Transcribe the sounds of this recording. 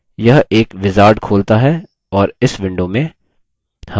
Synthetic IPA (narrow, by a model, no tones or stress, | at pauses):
jɐɦeːkʋɪzaːɾɖkʰoːlt̪aɦɛ | ɔːɾɪsʋɪ̃ɳɖomẽ | hɐ